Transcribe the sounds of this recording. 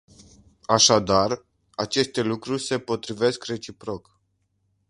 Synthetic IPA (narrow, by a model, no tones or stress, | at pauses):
aʃad̪ar | at͡ʃe̞st̪e̞lukɾurʲse̞po̞t̪ɾive̞skre̞t͡ʃipɾo̞k